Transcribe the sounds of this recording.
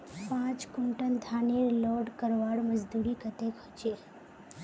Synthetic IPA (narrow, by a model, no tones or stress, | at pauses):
pãt͡ʃkuɳʈənd̪ʱaniɾlɔɖkəɾʋaɽməd͡ʒd̪uɾikət̪ekʰət͡ʃe